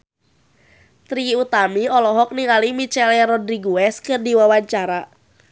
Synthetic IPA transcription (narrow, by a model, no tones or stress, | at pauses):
t̪ɾiut̪amiɔlɔɦɔk̚niŋalimit͡ʃɛljaɾɔdɾiɡuɛskɨrdiwawaɲt͡ʃaɾa